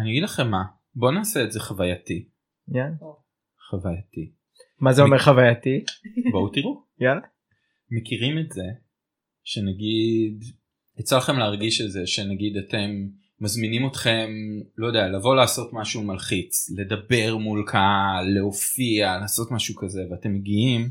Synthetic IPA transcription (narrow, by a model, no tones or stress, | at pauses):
aniaɡidlaχe̞mːa | bo̞naːseːtze̞χavajati | ja | χavajati | mazeomeʁχavajatiboutiʁu | jala | me̞kiʁimetze̞ | ʃenaɡid | et͡salaχe̞mleaʁɡiʃetze̞ʃenaɡidate̞mː | azminimo̞tχe̞mlo̞jdejalavo̞laːso̞tmaʃumalχit͡sle̞dɐbe̞ʁmulkʰale̞ofialaːso̞tmaʃukaze̞veate̞mːeɡiim